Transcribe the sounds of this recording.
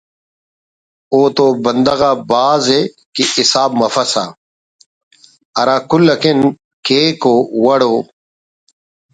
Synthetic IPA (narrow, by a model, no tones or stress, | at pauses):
oːt̪obɐnd̪ɐɣaːbaːze | kiisaːbmɐfɐsa̰ | ɐɾaːkulːɐkin | keːkoːwɐɽoː